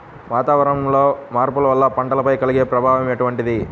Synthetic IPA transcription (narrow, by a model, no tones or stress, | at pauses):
ʋaːt̪aːʋɐɾɐmlo̞ːmaːɾpulɐʋɐlːɐpɐɳʈɐlɐpɐjkɐliɡe̞ːpɾɐbʱaːʋɐmeːʈuʋɐɳʈid̪i